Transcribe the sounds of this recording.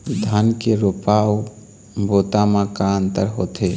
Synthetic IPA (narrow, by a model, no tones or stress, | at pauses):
d̪ʱankeɾopaw | bot̪amãkaənt̪əɾɦot̪ʰe